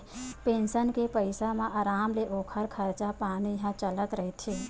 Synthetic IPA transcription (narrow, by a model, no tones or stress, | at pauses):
peːnsənkepəɪsamãʔaːɾaːmleʔoːkʰəɾkʰəɾt͡ʃapaːnijɦãt͡ʃələt̪ɾəɦet̪ʰeː